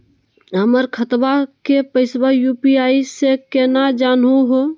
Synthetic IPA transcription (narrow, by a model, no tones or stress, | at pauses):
ɦəməɾkʰət̪bakepəɪsbajuːpiaːisekeːnad͡ʒaːnɦũɦo